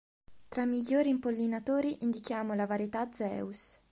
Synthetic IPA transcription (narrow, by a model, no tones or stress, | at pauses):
t̪ɾamːiʎːoːɾimpolːinat̪oːɾiʔind̪ik̟jaːmolavaɾjet̪ad̪zɛ̰ːus